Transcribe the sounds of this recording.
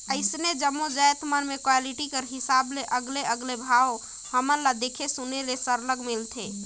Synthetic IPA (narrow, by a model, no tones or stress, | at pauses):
əɪsned͡ʒəmːod͡ʒəjt̪mənmekwaliʈikəɾɦisableʔəɡleəɡlebʱao | həməɾlad̪ekʰesunelesəɾləɡmilt̪ʰe